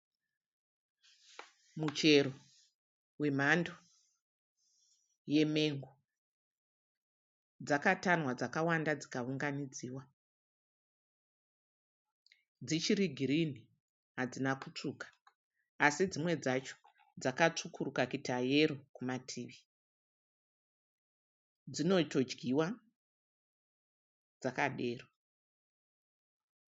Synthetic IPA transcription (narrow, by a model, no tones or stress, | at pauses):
mut͡ʃe̞ɾo | we̞m̤ando | je̞me̞ŋɡo | d͡zakatanwad͡zakawandad͡zikauŋɡanid͡ziːwa | d͡zit͡ʃiɾiɡʱiɾini | ɦad͡zinakut͡ʂuːkḁː | sid͡zimwe̞d͡zat͡ʃo̥ | d͡zakat͡ʂukurukakitʰaje̞ɾokumatʰiːʋi | d͡zino̞to̞d͡ʒɡiwa | d͡zakaɗe̞ːro